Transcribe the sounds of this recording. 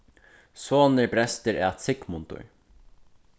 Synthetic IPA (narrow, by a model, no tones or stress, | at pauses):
soːnəɹbɾɛst̪əɾɛ̰ːt̪sɪkmʊnt̪ʊ̰ɹ